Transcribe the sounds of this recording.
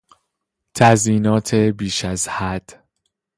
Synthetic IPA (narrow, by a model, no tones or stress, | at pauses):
t̪ʰæziːnɒːt̪ʰebiːʃæzhæd̪̥